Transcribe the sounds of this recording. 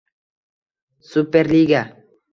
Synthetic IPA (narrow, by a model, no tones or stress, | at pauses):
supeɾliɡa